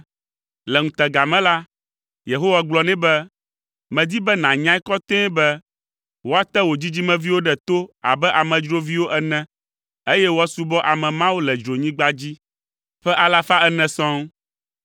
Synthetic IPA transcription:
lɛ˨ŋũ˨t̪ɛ˨ɡa˨mɛ̃˦la˦ | je˨ɦo˦wa˦ɡ͡blɔ˨nɛ̃˦bɛ˦ | mɛ̃˨d̪i˦bɛ˦nã˨ɲã˦ɛ˦kɔ˦t̪ɛ̃˦bɛ˦ | wo˦a˦t̪ɛ˦wo˨d͡ʑi˦d͡ʑi˦mɛ̃˦vi˦wo˦ɖɛ˨t̪o˦a̰˨bɛ˦ʔa˨mɛ̃˨d͡ʒɾo˦vi˦wo˦ʔɛ˦nɛ̃˨ | e˦jɛ˦wo˦a˦su˦bɔ˦ʔa˨mɛ̃˨mã˦wu˦lɛ˨d͡ʒɾo˨ɲĩ˦ɡ͡ba˦d͡ʑi˦ | ɸɛ˦ʔa˨la˦fa˦ɛ˦nɛ̃˨sɔ̃˦ŋ

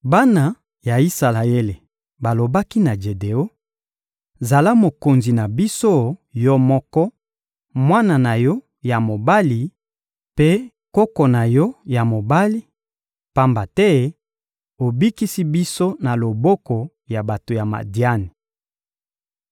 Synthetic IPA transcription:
ba˦na˨ | ja˨i˦sa˨la˨e˦le˨ | ba˨lo˨ba˦ki˦na˨d͡ʒe˨de˨o˦ | za˨la˦mo˨ko˨nzi˨na˨bi˦so˦jɔ˦mɔ˦kɔ˦ | mwa˦na˨na˨jɔ˦ | ja˨mo˨ba˦li˨ | pe˦ | ko˦kɔ˨na˨jɔ˦ja˨mo˨ba˦li˦ | pa˦mba˨tɛ˦ | o˨bi˦ki˦si˦bi˦so˦na˨lo˨bɔ˦kɔ˨ | ja˨ba˨to˨ja˨ma̰˨di˦a˦ni˨

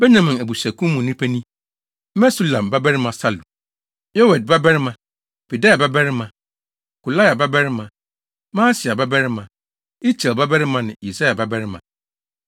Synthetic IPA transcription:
bɛ˦nã˨mɪ̃˨æ˨bu˨sæ˨kʰũ˦m˦mʊ̃˨nĩ˦pʰæ˦nĩ˦ | mɛ̃˦su˦lã˨mba˦bɛ˦ɾɪ˦mã˨sa˦lu˨ | jɔ˦wɛ˨d̚ba˦bɛ˦ɾɪ˦mã˨ | b̥i˨da˦a˨ba˦bɛ˦ɾɪ˦mã˨ | ku˨la˦ja˨ba˦bɛ˦ɾɪ˦mã˨ | mãː˦sɪ˨a˨ba˦bɛ˦ɾɪ˦mã˨ | i˦t͡ɕʰɛ˨lba˦bɛ˦ɾɪ˦mã˨nɪ̃˨i˨sa˦ja˨ba˦bɛ˦ɾɪ˦mã̰˨

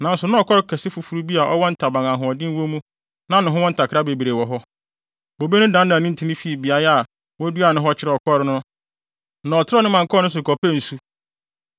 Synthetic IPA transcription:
nã˨n̩˦sʊ˨nʊ̃˦ɔ˨kʰɔ˦ɾɪ˦kʰɛ˨sɪ˦fu˨fu˦ɾu˦bi˦a˨ʔɔ˦wɔ˦n̩˦tʰa˨bã˨ŋã˨ɦʊ̃˨ɔ˨dɪ̃˦n˦wo˦mũ˦ | nã˨˦nʊ̃˨ɦʊ̃˦wɔ˦n̩˦tʰa˨kʰɾa˦be˨bi˨ɾe˨wɔ˨ɦɔ˦ | bo˨be˦nʊ̃˦dã˨˦n˦nã˨nĩ˦n̩˦tʰi˦nĩ˦fi˨bi˨a˨ɾɛ˦a˨ | wɔ˦du˦a˨nʊ̃˦ɦɔ˦t͡ɕʰɪ˦ɾɛ˨ɔ˨kʰɔ˦ɾɪ˦nʊ̃˦ | nã˨ɔ˨tʰɪ˦ɾɔ˦nɪ̃˦mã˨ŋ˨kʰɔ˦nʊ̃˦s̬ʊ˨kʰɔ˨pʰɛ˦˨n̩˨su˦

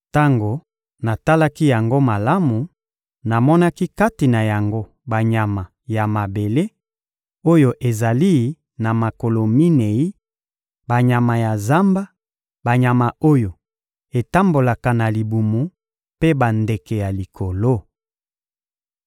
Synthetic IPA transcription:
ta˦ŋɡo˨ | na˨ta˦la˦ki˦ja˨ŋɡo˦ma˨la˦mu˨ | na˨mɔ˦na˦ki˦ka˦ti˨na˨ja˨ŋɡo˦ | ba˨ɲa˨ma˨ | ja˨ma˨be˨le˦ | o˦jo˨ʔe˨za˨li˦ | na˨ma˨ko˨lo˨mi˦ne˨i˦ | ba˨ɲa˨ma˨ja˨za˦mba˦ | ba˨ɲa˨ma˨o˦jo˨ | e˨ta˦mbo˨la˨ka˨na˨li˨bu˨mu˨ | pe˦ba˨nde˨ke˨ja˨li˨kʰo˨lo˦

